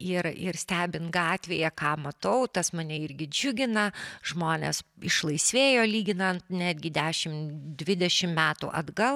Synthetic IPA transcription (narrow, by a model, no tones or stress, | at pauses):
ɪɾɪ̰ɾsʲt̪ʲæːbʲɪnt̪ɡɑːt̪ʲʋʲeːjɛkɑːmɐt̪ɐʊt̪ɐsmɐnʲɛɪɾʲɡʲɪd͡ʒʲʊɡʲɪnɐʒmoːnʲḛsɪʃlˠɐɪsʲʋʲeːjoːlʲiːɡʲɪnɐnt̪nʲæːd̪ʲɡʲɪd̪ʲæːʃʲɪmd̪ʲʋʲɪd̪ʲɛʃʲɪmmʲæːt̪ṵːʔɐ̰d̪ɡɐlˠ